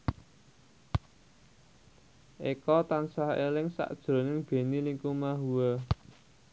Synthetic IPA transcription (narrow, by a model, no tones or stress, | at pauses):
ʔekɔt̪ansahḛlɪŋsa̰ʔd̥ʒ̥ɾo̤nɪŋb̥e̤niliŋkumaɦuwə